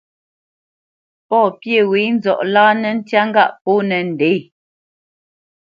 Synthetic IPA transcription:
pɔː˦˨pje˦˨we˨˦n̩˦zɔ˨ʔlaː˦nɛ˨n̩˦tja˦ŋ˦ɡa˦˨ʔpo˦nɛ˨n̩˨dɛ˨˦j

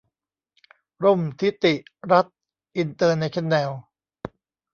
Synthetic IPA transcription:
ɾo˥˩mt̪ʰi˦˥t̪i˨˩ʔɾa˦˥t̪̚ | ʔi˧nt̪ɤː˧nːa˧jkʰe˦˥nːɛː˧w

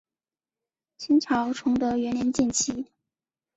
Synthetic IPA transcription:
t͡ɕʰi˥nʈ͡ʂʰɑ˧˥ʊʈ͡ʂʰʊ˧˥ŋt̪ɤ˧˥ɥɛ˧˥nljɛ˧˥nt͡ɕɛ˥˩nt͡ɕʰi˥

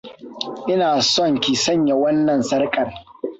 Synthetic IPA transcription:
ʔɪ˦naː˨sɔ˦ŋkʲiː˨sɐ˦ɲja˨wɐ˦nːɐ˨nsɐ˦rkʼɐ˨r

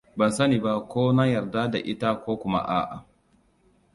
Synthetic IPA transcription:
ba˨sɐ˦niː˨ba˦kʷoː˦na˦jɐ˨rda˦da̰˨ʔɪ˦ta˦kʷoː˦kʷʊ˦ma̰˦ʔa̰ː˦˨ʔa̰˨

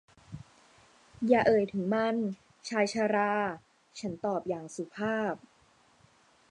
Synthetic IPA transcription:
jaː˨˩ʔɤː˨˩jt̪ʰɯ˩˦ŋma˥˩n | t͡ɕʰaː˧jt͡ɕʰaː˧ɾaː˧ | t͡ɕʰa˦˥nt̪ɔː˨˩p̚jaː˨˩ŋsu˨˩pʰaː˥˩p̚

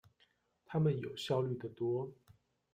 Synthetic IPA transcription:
t̪ʰa˥mə˨njo˨˩ʊɕjɑ˥˧ʊly˥˩d̪ə˩t̪wɔ˥

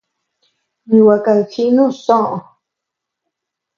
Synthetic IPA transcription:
ɲũ˨wa˨ka˧˨ki˦nũ˦sõ˦ʔõ˨

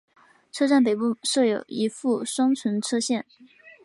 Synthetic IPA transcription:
ʈ͡ʂʰɤ˥ʈ͡ʂa˥˩npe˨˩ɪpu˥˩ʂɤ˥˩jo˨˩ʊi˧˥fu˥˩ʂwɑ˥ŋt͡sʰə˧˥nʈ͡ʂʰɤ˥ɕjɛ˥˩n

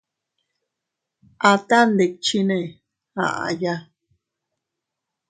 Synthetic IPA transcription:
ʔa˧t̪a˦nd̪e˨k̚t͡ʃi˦nẽ˦˧ | hã̰˨ʔa̰˨ja˦

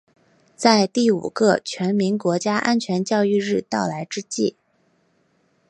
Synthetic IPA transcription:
t͡sa˥˧ɪt̪i˥˩ṵ˨˩ɡɤ˥˧t͡ɕʰɥɛ˧˥nmi˧˥nkwɔ˧˥t͡ɕja˥ʔa˥nt͡ɕʰɥɛ˧˥nt͡ɕjɑ˥˧ʊy˥˧ɻɻ̩˥˧t̪ɑ˥˩ʊla˧˥ɪʈ͡ʂɻ̩˥t͡ɕḭ˥˩

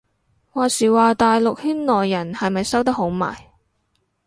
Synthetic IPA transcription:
waː˨siː˨waː˨t̪aː˨jlʊ˨k̚hyː˥nlɔː˨jːɐ˨˩nhɐ˨jmɐ˨jsɐ˥wt̪ɐ˥k̚ɦo˨˥wma̰ː˨˩j

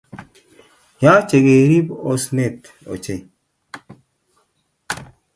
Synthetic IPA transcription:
ja˦t͡ʃe˨ɡe˨ɾi˦po˦sne˦˨t | o̰˨t͡ʃe˦˨

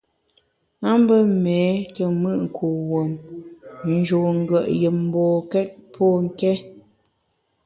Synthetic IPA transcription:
na˦m˦bə˦mɛː˨˦tə˨mɨ˦ʔŋ̩˨kʰu˨wo˨m | n̩˦d͡ʒo˨ŋ̩˦ɡə˨ʔjə˨m̩˦bɔː˨kɛ˦t̚pʰɔ˦ŋ̩˦kɛ˦

